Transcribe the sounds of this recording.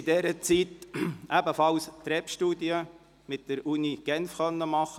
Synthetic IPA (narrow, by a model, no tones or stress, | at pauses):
ɪdɛɾət͡sitʔæbəfɑlst̪ɾɛpʃtuːdiə | mɪtd̥əɾuniɡ̥ɛnfχœnːəmɑχə